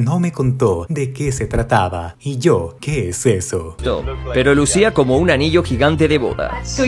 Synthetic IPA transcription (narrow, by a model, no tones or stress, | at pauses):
no̞me̞ko̞nt̪od̪ekese̞t̪ɾat̪aβa̰iʝokeesesot̪o̰pe̞ɾolusiako̞mo̞unaniʝo̞xiɣant̪e̞ðe̞βo̞̰ða̰